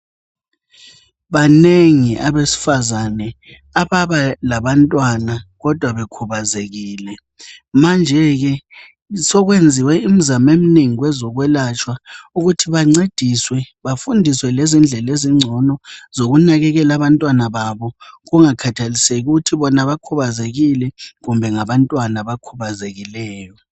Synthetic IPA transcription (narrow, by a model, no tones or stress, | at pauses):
βaneŋiʔaβesi̥fazanɛ | aβaβalaβantʼwanaɣɔd̥ʱwaβekʰuβazeɣiːlɛ | mand͡ʒʱɛɣɛ | sɔɣwend͡zʱiwɛim̩zamem̩neŋiɣwɛzɔɣwɛlat͡ʃʼwauɣutʰiβaŋ͡ǀed̥ʱiswɛ | βafundʱiswɛlezind͡ɮʱɛleziŋ͡ǀʱɔnɔzoɣunaɣɛɣɛlaβantʼwanaβaβɔɣuŋakʰatʰaliseɣuɣutʰiβɔnaβakʰuβazeɣilɛɣumbʱɛŋaβantʼwanaβakʰuβazeɣilɛːjɔ